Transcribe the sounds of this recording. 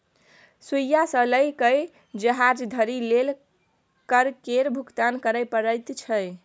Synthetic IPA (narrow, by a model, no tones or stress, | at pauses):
sujasə̃ləjkəj | d͡ʒəɦad͡ʒd̪ʱəɾilel | kəɾkeɾbʱukt̪ankəɾəpəɾəjt̪t͡ʃʰəj